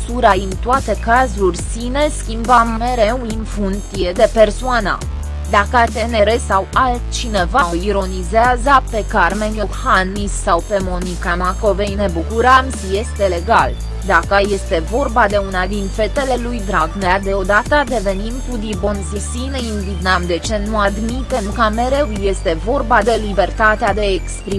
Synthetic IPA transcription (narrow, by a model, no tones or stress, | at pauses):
suɾaɨnt̪oat̪e̞kazurʲsine̞skʲimbəmme̞ɾe̞winfunt̪ije̞d̪e̞pe̞rsoanə̰ | d̪akəat̪e̞ne̞ɾesawalt̪̚t͡ʃine̞vaoiɾo̞nizeazəpe̞karme̞nʲohanːisːawpe̞mo̞nikamako̞vejne̞bukuɾəm | je̞st̪e̞le̞ɡal | d̪akəje̞st̪e̞vo̞rbad̪e̞unad̪infe̞t̪e̞le̞lujd̪ɾaɡnead̪e̞o̞d̪at̪əd̪e̞ve̞nimkud̪ibonzisinəinvit̪namd̪e̞t͡ʃe̞nuad̪mit̪e̞mkəme̞ɾe̞wje̞st̪e̞vo̞rbad̪e̞libe̞rt̪at̪ead̪e̞ekspɾi